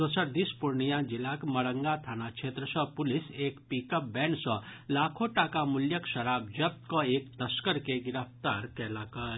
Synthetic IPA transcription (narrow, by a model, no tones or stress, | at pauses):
d̪ɔsəɾd̪ispʊɾnijãd͡ʒɪlakmɐɽə̃ŋɡat̪ʰaːnakt͡ʃʰeːt̪ɾəsɔ̃pʊlɪseːkpikəp̚bɛːɳsɔlaːkʰoʈaːkamʊljəkʃɐɾaːb̚d͡ʒɐb̚t̪koeːk̚t̪ɐskəɾkeɡɪɾəft̪aːɾkɛːlaːkɐ